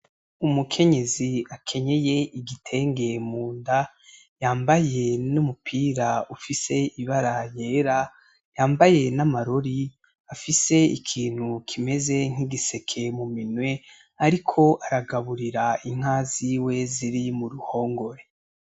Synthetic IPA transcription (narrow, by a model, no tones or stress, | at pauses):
umukʰe̞ɲe̞ziakʰe̞ɲe̞je̞ʔiɡitʰe̞ːŋɡe̞muːnda | jaːmbaje̞numupʰiːɾaufise̞iβaɾajeːɾa | jaːmbaje̞namaɾoɾi | afise̞ḭkʰiːn̥hukʰime̞ze̞ŋ̥iɡise̞kʰe̞muminwe̞ | aɾikʰo̞ʔaɾaɡaβuɾiɾaiŋ̥aːziwe̞ziɾimuɾuho̞ːŋɡo̞ɾe̞